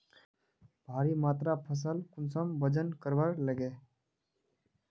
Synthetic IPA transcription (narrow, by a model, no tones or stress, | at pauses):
bʱaːɾimaːt̪ɾapʰəs̬əlkʊnsəmbəd͡ʒənkəɾbəɾləɡeː